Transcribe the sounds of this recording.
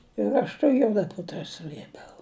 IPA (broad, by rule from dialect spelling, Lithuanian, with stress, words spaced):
ɪr ˈɐʃ tɐ ˈjuɔdɐ ˈpʊtrɐ ˈsrɘbʲɛʊ